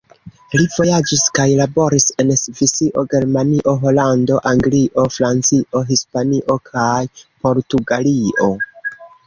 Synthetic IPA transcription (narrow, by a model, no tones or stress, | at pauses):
livo̞jad͡ʒiskajlabo̞ɾise̞nsvisiʔo̞ɡe̞ɾmaniʔo̞ɦo̞lando̞ʔaŋɡliʔo̞fɾant͡siʔo̞ɦispaniʔo̞kʰajpo̞ɾtuɡalio̞